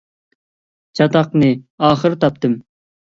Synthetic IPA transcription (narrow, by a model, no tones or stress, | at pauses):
t͡ʃʰɑt̪ɑqnɨɑːχəɾt̪ʰɑp̚t̪ɨm